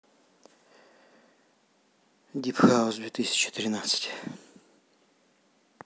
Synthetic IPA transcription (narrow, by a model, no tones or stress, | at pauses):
d̪ʲipxaʊszd̪vʲet̪ɨsʲɪ̥t͡ɕɪ̥t̪ɾʲɪnat̪sɨ̥tʲ